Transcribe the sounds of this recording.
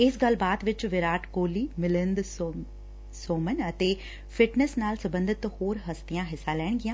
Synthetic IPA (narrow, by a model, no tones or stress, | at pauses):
ɪsɡɐlbaːt̪ʋɪt͡ʃʋɪɾaːʈkoːliːmɪlɪ̃nd̪ | soːmənət̪eː | fʰɪʈnəsnaːlsəbə̃nd̪ɪt̪hoːɾɦəst̪ɪjãːɦɪsːãːlɛːɽ̃ɡɪjãː